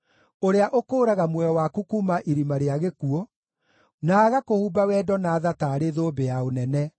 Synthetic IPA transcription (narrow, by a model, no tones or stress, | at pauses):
oɾeaʔokoːɾaɣamwɛɔwakukumaʔiɾimaɾeaɣekuɔ | naːɣakohuːbawɛdɔnaːðataɾeðobejaonɛnɛ